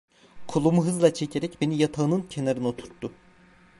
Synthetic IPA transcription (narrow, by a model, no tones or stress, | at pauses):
kʰulˠumuɦɯzlˠat͡ʃʰecʰeɾɛcbe̞nijat̪ʰaɯnɯncʰe̞naɾɯno̞t̪ʰu̥ɾt̪ːu